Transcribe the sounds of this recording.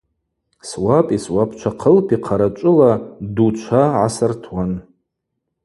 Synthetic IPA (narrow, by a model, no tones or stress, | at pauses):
swapʼiswapʰt͡ʃʷʰaqʰəlpʰiqʰaɾat͡ʃʷʼʊladut͡ʃʷʰaʕasɨrtʰwan